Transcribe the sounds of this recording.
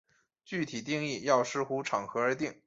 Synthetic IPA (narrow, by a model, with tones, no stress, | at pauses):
t͡ɕy˥˩t̪ʰi˨˩t̪i˥˧ŋi˥˩jɑ˥˩ʊʂɻ̩˥˩xu˧˥ʈ͡ʂʰɑ˨˩ŋxɤ˧˥ə˞˧˥t̪i˥˩ŋ